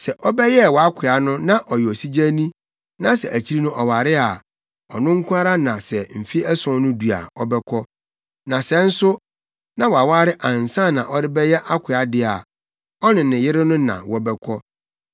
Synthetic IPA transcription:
sɛ˨ʔɔ˦bɛ˦jɛ˦˨wɔ˨a˦kʰɪ˨a˨nʊ̃˦nã˦ʔɔ˨jɛ˨ɔ˨si˦d͡ʑa˦nĩ˦ | nã˦sɛ̰˨ʔæ˨t͡ɕʰi˦ɾi˦nʊ̃˦ʔɔ˨wa˨ɾɪ˦a˨ | ɔ̰˨nʊ̃˦ŋ̩˦kʰʷʊ˦a˦ɾa˦nã˨sɛ˨m̩˨fi˦ɛ˦sʊ̃˦nʊ̃˦du˨a̰˨ɔ˦bɛ˦kʰɔ˦ | nã˨sɛ̃˦n̩˦sʊ˦ | nã˦wɔ˨a˨wa˦ɾɪ˦ʔã˨n˨sã˦˨nã˨ʔɔ˦ɾɪ˦bɛ˦jɛ˦ʔa˦kʷʰɪ˨a˨dɪ˦a̰˨ | ɔ˦nɪ̃˨nɪ̃˨jɪ˦ɾɪ˦nʊ̃˦nã̰˨wɔ˦bɛ˦kʰɔ˦

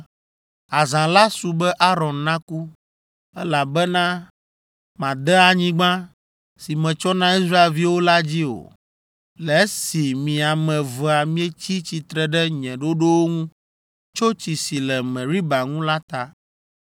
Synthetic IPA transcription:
a˨zã˨la˦su˨bɛ˦ʔa˦ɾɔ̃˨nːã˦ku˦ | ɛ˦la˨bɛ˦nã˦ | mã˨d̪ɛ˦a˨ɲĩ˦ɡ͡bã˦ | si˨mɛ̃˨t͡ʃɔ˦nã˦i˦sɾa˦e˨lvi˦wo˦la˦d͡ʑi˦o̰˨ | lɛ˨˦si˨mĩ˨a˨mɛ̃˨vɔ˨a˨mĩ˦ɛ˦t͡ɕi˦t͡ɕi˨t̪ɾɛ˨ɖɛ˦ɲɛ̃˨ɖo˦ɖo˦wo˦ŋũ˦ | t͡ʃo˦t͡ɕi˨si˨lɛ˨mɛ̃˨ɾi˦ba˨ŋũ˦la˦t̪a˦

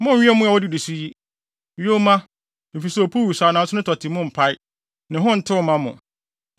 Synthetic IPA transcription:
mʊ̃˦ɥi˦ɛ˦mʊ̃˦a˨wɔ˦di˦˨di˨su˦ji˦ | ɥo˦mã˦ | e˨fi˨sɛ˦ɔ˨pʰu˦˨wu˨saː˨nã˨˦sʊ˦nʊ̃˦tʰɔ˨tʰɪ˨mʊ̃˦m̩˨pʰa˦ɪ˦ | nɪ̃˨ɦʊ̃˦n̩˨tʰɪ˦ʊ˨mã˦mʊ̰̃˨

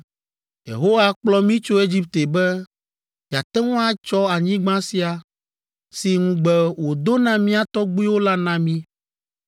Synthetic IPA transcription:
jḛ˨ɦo˦wa˦k͡plɔ˦mĩ˦t͡ʃo˦e˦d͡ʑi˦p̚t̪e˨bɛ˦ | d͡ʒa˨t̪ɛ˦ŋɔ̃˦a˦t͡ʃɔ˦a˨ɲĩ˦ɡ͡bã˦si˦a˨ | si˨ŋũ˦ɡ͡bɛ˦wo˨d̪o˦nã˨mĩ˦a˨t̪ɔ˦ɡ͡bu˦i˦wo˦la˦nã˨mĩ˦

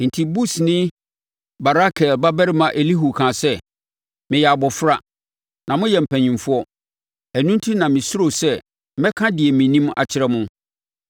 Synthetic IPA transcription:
n̩˨tʰi˨bu˦snɪ̃˦ | ba˨ɾa˦kʰɛ˨lba˦bæ˦ɾɪ˦mã˨ʔe˨li˦ɦu˨kʰã˨sɛ˦ | mɪ̃˨jɛ˨a˨bɔ˨fɾa˨ | nã˨mʊ̃˦jɛ˨m̩˨pʰæ̃˨ɲĩ˨mfʊ˦ɔ˦ | æ˨nũ˦n˦tʰi˦nã˨mɪ̃˨sʊ˦ɾo˨sɛ˦ | mɛ̃˦kʰã˦dɪ˨ɛ˨mĩ˨nĩ˦ma̰˨t͡ɕʰɪ˨ɾɛ˦mʊ̃˦

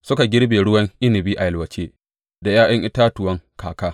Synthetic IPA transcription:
sʊ˦ka˨ɡʲɪ˦ɽbeː˨ɽʊ˦wɐ˦ŋʔɪ˦nɪ˨biː˦ʔa˨jɐ˨lwɐ˨t͡ʃeː˦ | da˨jaː˦ʔɐ˦ŋʔɪ˦taː˦tʊ˨wɐ˦ŋkʰaː˨kaː˦

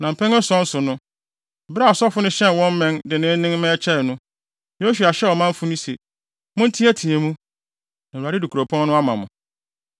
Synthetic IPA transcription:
nã˨m̩˨pʰɛ̃˦ŋɛ˦sɔ̃˦n̩˦sʊ˨nʊ̃˦˨ | ba˦a˨sɔ˦fʊ˦nʊ̃˦ɕɛ̃˦n˨wɔ̃˦m̩˦mɛ̃˦ndɪ˨nɪ̃˦nɪ̃˦m˦mɛ̃˦t͡ɕʰɛ˦˨nʊ̃˦ | jo˦su˨a˨ɕɛ˦ɔ˨mã˦m˦fʊ˦nʊ̃˦sḛ˨ | mʊ̃˦n̩˦tʰi˦æ˦tʰĩ˨e˨mũ˦ | nã˨u˨a˨ɾɪ˦du˨kʰu˨ɾo˨pʰɔ̃˦n˦nʊ̃˦a˦mã˨mʊ̰̃˨

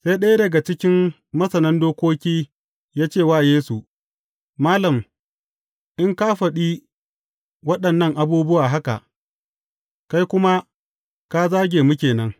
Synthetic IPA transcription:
sa˦jɗɐ˦jdɐ˨ɡa˨t͡ʃɪ˦kʲɪ˦m | mɐ˦sɐ˨nɐ˦ndoː˦kʷoː˦kʲiː˦ | jaː˦t͡ʃeː˦˨waː˦˨jeː˦su˨ | maː˦lɐ˨m | ʔɪ˦ŋka˦ɸɐ˨ɗi˦ | wɐ˦ɗɐ˨nːɐ˦ŋʔa˨buː˦bʊ˦waː˨ɦa˦ka̰˨ʔ | ka˦jkʷʊ˦ma˦ | ka˦zaː˦ɡʲeː˨mu˦kʲeː˨nɐ˦ŋ

